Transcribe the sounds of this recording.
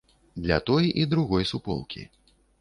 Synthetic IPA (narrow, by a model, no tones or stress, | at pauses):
d̪lʲɐt̪ɔjʔid̪ɾuɣɔjsupɔ̰lˠkʲʰḭ